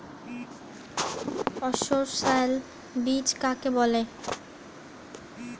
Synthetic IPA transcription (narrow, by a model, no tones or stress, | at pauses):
ɔʃoɾʃal | bit͡ɕkakebɔle